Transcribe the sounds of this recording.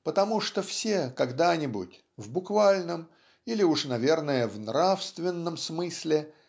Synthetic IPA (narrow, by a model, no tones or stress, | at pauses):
pət̪ɐmuʂt̪ofsʲekɐɡd̪anʲɪbṵtʲ | vbʊkvalʲnəm | ilʲɪuʂnɐvʲe̞rnəjəvnrafst̪vʲɪnːəmsmɨsʲlʲɪ